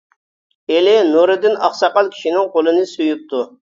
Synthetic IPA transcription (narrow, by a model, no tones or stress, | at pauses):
elɪnuɾɨd̪ɪnɑχsɑqɑlˠkʲʰi̥ʃinɪŋqolˠɨnɨsujup̚t̪ʰu